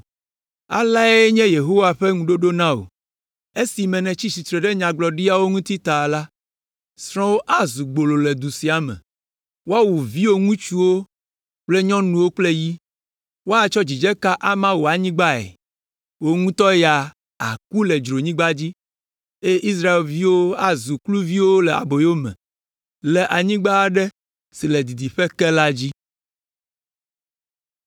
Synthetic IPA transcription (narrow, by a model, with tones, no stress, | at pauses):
a̰˨la˦e˦ɲɛ̃˦je˨ɦo˦wa˨ɸe˦ŋũ˨ɖo˦ɖo˦nã˦o̰˨ | e˦si˨mɛ̃˨nɛ̃˨t͡ɕi˦si˨t̪ɾe˨ɖe˦ɲã˨ɡ͡blɔ˨ɖi˦a˦wo˦ŋũ˦t̪i˦t̪a˨la˦ | sɾ̃ɔ̃˦wo˦ʔa˦zu˨ɡ͡bo˨lo˨le˨d̪u˨si˨a˨˦mɛ̰̃˨ | wo˦a˦wu˨vi˦wo˦ŋũ˦t͡ʃu˦wo˦ | k͡ple˦ɲɔ̃˦nũ˨wo˦k͡ple˦ji˦ | wo˦a˦t͡ʃɔ˦d͡ʑi˨d͡ʒɛ˦ka˦ʔa˦mã˦wo˨a˨ɲĩ˦ɡ͡ba˦ɛ̰˨ | wo˦ŋũ˦t̪ɔ˦ja˨ | a̰˨ku˦lɛ˨d͡ʒɾo˨ɲĩ˦ɡ͡ba˦d͡ʑi˦ | e˦ʔi˦s̬ɾa˦e˨lvi˦wo˦a˦zu˨klu˦vi˦wo˦lɛ˨a̰˨bo˨jo˦mɛ̰̃˨ | lɛ˨ʔa˨ɲĩ˦ɡ͡ba˦˨ɖɛ˦ | si˨lɛ˨d̪i˨d̪i˨ɸɛ˦kɛ˦la˦d͡ʑi˦